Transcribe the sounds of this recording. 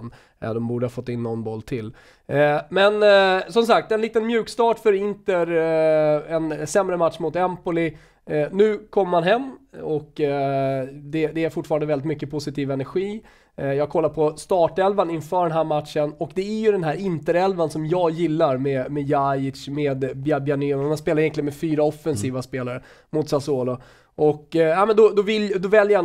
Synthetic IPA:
n̰ | d̪ɔmbuːɖəhɑːfɔt̪ːaɪnːɔnbɔlːt̪ʰɪl | mɛnsɔms̬ak̚t̪ɛnliːt̪ənmjʉ̟ːkst̪ɑːʈfœɾɪnt̪əɾ | ɛnsɛmɾəmat̪ʂmʊt̪ɛmpʊlɪ | nʉ̟ːkʰɔmːəɾmanɦɛmːɔk | d̪ɛd̪ɛæɾfʊʈːfɑːɾand̪əvɛlɪt̪mʏkːəpʰʊsɪt̪ʰiːvɛnæɾɧiː | jɑːɡ̚kʰɔlːaɾpʰɔst̪ɑːʈɛlvanɪnfœːɖɛnɦæːɾmat̪ʂənɔkd̪ɛæɾjɵd̪ɛnɦæːɾɪnt̪əɾɛlvansɔmjɑːɡjɪlːaɾmeːmɛjajɪʂmeːd̪bjabjanʏnmanspeːlaɾjɛnklɪənmɛfyːɾaɔfːɛnsiːvaspeːlaɾə | mʊt̪sasoːlʊ | ʔɔk̪ːaɪmɛnd̪ɔd̪ɔvɪld̪ɔvɛljəa

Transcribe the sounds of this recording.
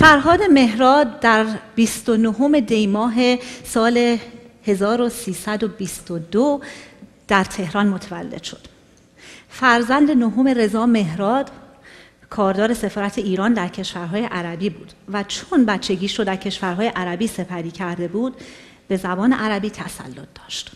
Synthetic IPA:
fæɾɦɒːd̪e̞me̞hɾɒːd̪̚ːæɾbist̪onoɦome̞d̪e̞jmɒːɦe̞sɒːle̞he̞zɒːɾo̞siːsæd̪o̞bist̪od̪o | d̪̥æɾt̪ʰe̞hɾɒːnmot̪ʰævælːe̞̰d̪̥ʃo̞̥d̪̥ | fæɾzænd̪e̞noɦo̞me̞ɾe̞zɒːme̞ɦɾɒːd̪̥ | kʰɒːɾd̪ɒːɾe̞se̞fɒːɾæt̪ʰe̞iːɾɒːnd̪æɾcʰe̞ʃvæɾɦɒːje̞ʔæɾæbiːbuːd̪̥væt͡ʃʰonbætt͡ʃʰːe̞ɟiːʃɾod̪æɾcʰe̞ʃvæɾɦɒːje̞ʔæɾæbiːse̞pʰæɾiːcʰæɾd̪e̞buːd̪̥ | b̥e̞zæbɒːne̞ʔæɾæbiːt̪ʰæsæ̰lːo̞t̪̚ʰd̪ɒ̥ːʃt̪

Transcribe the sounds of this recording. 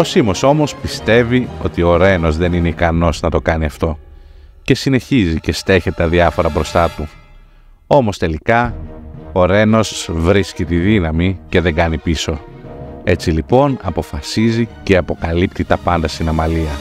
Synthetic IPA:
o̞simo̞so̞mo̞spist̪e̞viot̪io̞ɾe̞no̞zðe̞nineikɐno̞znɐt̪o̞kɐniɐft̪o̞ | ce̞sine̞çizice̞st̪e̞çet̪et̪ɐðiɐfo̞ɾɐbɾo̞st̪ɐt̪u | o̞mo̞st̪e̞likɐ | oɾe̞no̞svɾiscit̪iðinɐmice̞ðe̞ŋɡɐnipiso̞ | e̞t͡silipo̞nɐpo̞fɐsizice̞ɐpo̞kɐlip̚t̪it̪ɐpɐnd̪ɐst̪inɐmɐliɐ

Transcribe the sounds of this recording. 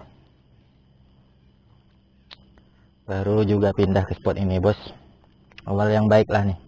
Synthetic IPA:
baɾud͡ʒuɡapindahkəsə̥pɔt̪inibɔs | awaljaŋbaɪk̚lahnih

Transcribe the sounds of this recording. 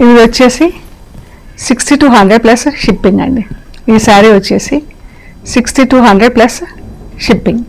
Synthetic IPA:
iʋɐt͡ʃːeːsi | siksʈiʈuːɦɐnɖɾeɖ̚plɐsʃipːiŋɡɐ̰ɳd̪iiːsaːɾiʋɐt͡ʃːeːsi | siksʈiʈuːɦɐɳɖɾeɖ̚plɐsʃipːiŋɡ

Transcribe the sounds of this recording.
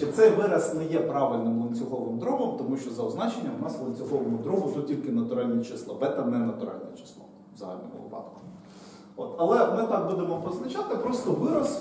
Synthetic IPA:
ɛt̪sɛjʋɪɾɐsnɛjɛpɾɑʋɪlʲnɪmlˠɔnʲt͡sʲʊɦɔʋɪmd̪ɾɔɦɔmt̪ɔmuʃt͡ʃɔzɐʊznɑt͡ʃenʲːɐmnɑsʋlˠɔnʲt͡sʲʊxɔʋɔmʊd̪ɾɔɦʊt̪utʲilʲkɪnɐt̪ʊɾɑlʲnʲit͡ʃɪslˠɔbɛt̪ɐnɛnɐt̪ʊɾɑ̰lʲnʲɛt͡ʃɪ̥slˠɔ̰ | zɐɦɑ̰lʲnɔ̰mʊ̰ʋɪ̰pɑ̰t̪kʊ̥ | ot̪ɐlˠɛmɪt̪ɑk̚bud̪emɔpɔznɐt͡ʃat̪ɪpɾɔst̪ɔʋɪɾɐs

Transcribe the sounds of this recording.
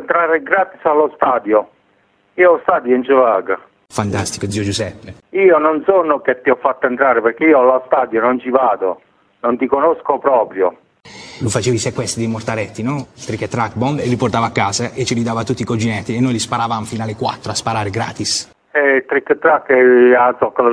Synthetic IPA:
nt̪ɾaːɾeɡɾaːt̪isalːost̪aːd̪jo | iːoɔst̪aːd̪joint͡ʃəvaːɡa | fant̪ast̪ikod̪ziːod͡ʒusɛpːeiːononsɔnoket̪ːiɔfːat̪ːoent̪ɾaːɾepeɾkeiːoalɔst̪aːd̪jonont͡ʃivaːd̪o̰ | nont̪ikonoskopɾɔːpɾjo | lufat͡ʃeːvaisekwɛst̪ɾid̪imort̪aɾɛt̪ːinɔt̪ɾikːet̪ːɾakːbɔnd̪elːiport̪aːvakːaːzaʔet͡ʃːilid̪aːvat̪ut̪ːikod͡ʒinɛt̪ːienːojlispaɾaːvamfiːnalekwa̰t̪ːɾoaspaɾaːɾeɡɾa̰ːt̪is | ɛt̪ɾikːət̪ːɾakːɛaɔkːa

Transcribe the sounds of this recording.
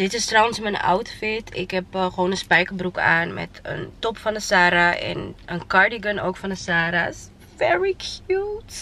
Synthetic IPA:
d̥ɪtɪstrɔwənsmənʔɔ̰wtfɪtʰɪ̰kɦɛpχəʋonənspɛjkəbrukaːnmɛ̰tə̰ntɔpfɑndəsaːɾaʔɛ̰nənkɑɹdiɡənowkfɑndəsaːɾa̰s | fɛɹikʰjut

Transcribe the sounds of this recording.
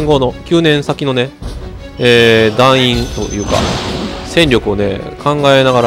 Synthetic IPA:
ŋɡo̞no̞kʲɨːnẽ̞ɰ̃sakʲino̞ne̞ | eːd̪ãɰ̃ĩnt̪o̰jɯ̟ːka̰sẽ̞ɲɾʲo̞kɯ̟o̞ne̞̰kãŋɡae̞naɡaɾ

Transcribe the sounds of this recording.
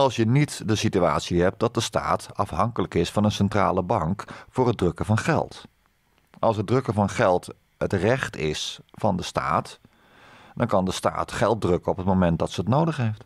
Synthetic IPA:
ɑlˠsjənitdəsityaːtsiɦɛp̚t̚dɑt̚dəsta̰ːtɑfɦɑŋkələkɪsfɑnənsɛntra̰ːləbɑŋkfʊːrɦəd̚rɵkəvɑnχɛ̰lˠt | ʔɑlˠsɦət̚drɵkəvɑnχɛlˠt | ətrɛχtɪsfɑndəsta̰ːt | dɑnkɑndəsta̰ːtχɛlˠt̚drɵkəɔpətmomɛnt̚dɑtsəətnowdəχɦejft

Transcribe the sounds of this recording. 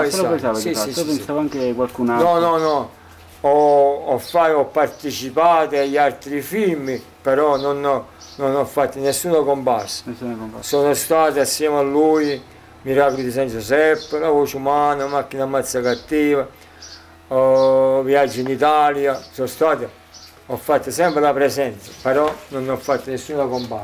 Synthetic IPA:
asaisaipensaːvaŋkekwalkunanɔnɔnɔ | ɔɔfːaɔpːart̪it͡ʃipaːt̪ɪaʎːalt̪ɾifimːi | pɛɾɔnɔn | nɔnɔfːat̪ːɪnɛsːuːnakɔmpassḁsɔːnost̪aːt̪ɪasːjɛːmalːuːj | miɾapɾit̪is̬and͡ʒusɛpːlavɔːt͡ʃumaːnamakːinamat̪sːakat̪ːiːva | viad͡ʒːinit̪aːljasɔst̪aːt̪ɪ | ɔfːat̪ːasɛmpɾɪlapɾɛsɛnt̪sapɛɾɔnɔnːɔfːat̪ːənɛsːuːnakɔmpa

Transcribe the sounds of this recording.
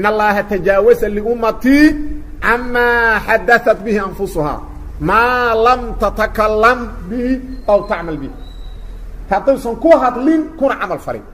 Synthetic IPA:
ʔɪnːɐlːɑːɦɐt̪ʰɐd͡ʒaːwɐsalɪʔʊmːɐt̪ʰi | ʕamːaːħad̪ːɐθɐt̪̚bɪhɪʔanfʊsʊha̰ː | maːlɐmt̪ɐt̪ɐkalːɐmbɪhiʔɐwt̪aʕmɐlbɪh | t̪ɑt̪ˤɪbsɐŋkʊwɦɐd̪lɪnkʊnɐʕamɐlfɐ̰ɾɪ̰n

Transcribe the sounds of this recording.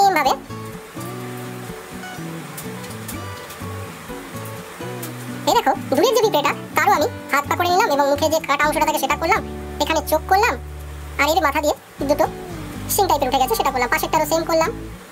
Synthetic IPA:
embʱabe | ed̪ɛkʰod̪ʱuɾek̚d͡ʑobipɾeʈat̪aɾoami | hat̪̚pakoɾenilameboŋmukʰeɾd͡ʑekaʈaõŋ̃ʃoʈat̪ʰakeʃeʈakoɾlam | ʃekʰanet͡ɕokːoɾlam | aɾed̪emat̪ʰad̪ije | id̪ːut̪o | ʃinʈajpeɾuʈʰeɡɛt͡ɕʰeʃeʈakoɾlampaʃekt̪aɾoseŋkoɾlam

